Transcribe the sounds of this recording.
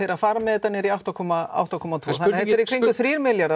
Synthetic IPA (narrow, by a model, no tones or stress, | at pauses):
ejɾaðfaːɾamɛðɛt̪anːɪɾiawht̪akʰɔmaa̰wht̪akʰɔmat̪ʰvoːθanɪh̪ɛt̪ɛɾikʰvɾiŋkʏθɾiːɾmɪljaɾa